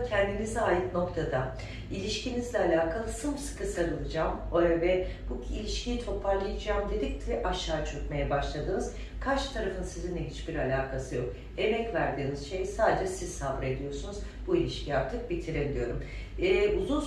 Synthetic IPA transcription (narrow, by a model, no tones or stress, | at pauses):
cʰɛnd̪inizɛaːjɯt̪no̞kt̪ʰad̪a | ilʲiʃcʰinizlʲɛalʲaːkʰalˠɯsɯmsɯ̥kʰɯsaɾɯlˠɯd͡ʒaːmvɛb̥uilʲiʃcʰijit̪ʰo̞pʰaɾlˠɯjɯd͡ʒaːmd̪e̞d̪ic̚t̪ʰʲɛʔaʃːaːt͡ʃʰø̞kmejɛbaʃlˠad̪ɯːnɯz | kʰat͡ʃt̪ʰaɾafɯnsizind̪ɛɦit͡ʃbiɾalʲaːkʰasɯjo̞k | e̞mɛcvæɾd̪iːniz̥ʃe̞jsaːd̪ed͡ʒɛsizsabɾe̞d̪ijo̞ɾsunuz | builʲiʃcʰiaɾt̪ʰɯk̚bit̪ʰiɾeid̪ʲijo̞ɾumː | uzun